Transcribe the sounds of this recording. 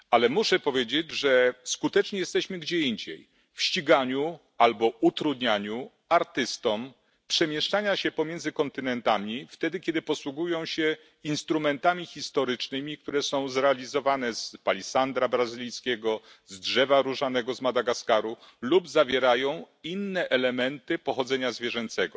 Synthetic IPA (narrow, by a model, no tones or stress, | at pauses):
alɛmuʂɛpɔvʲjed͡ʑed͡ʑʐɛskut̪ɛt͡ʂɲɛjɛst̪ɛɕmɘɡd͡ʑɛiɲd͡ʑḛj | fɕt͡ɕiɡaɲu | albɔut̪ɾud̪ɲaɲu | aɾt̪ɘst̪ɔm | pʂɛmʲjɛʂt͡ʂaɲaɕɛpɔmʲjɛnd̪zɘkɔnt̪ɘnɛnt̪amʲift̪ɛd̪ɘkʲɛd̪ɘpɔswuɡujɔ̃w̃ɕɛ | inst̪ɾumɛnt̪amʲixʲist̪ɔɾɘt͡ʂnɘmʲik̚t̪uɾɛsɔ̃w̃zɾɛalʲizɔvanɛzpalʲisand̪ɾabɾazɘlʲijskʲɛɡɔ | zdʐɛvaɾuʐanɛɡɔzmad̪aɡaskaɾulubzavʲjɛɾajɔ̃w̃ | inːɛʔɛlɛmɛnt̪ɘpɔxɔd̪zɛɲazvʲjɛʐɛnt̪sɛɡɔ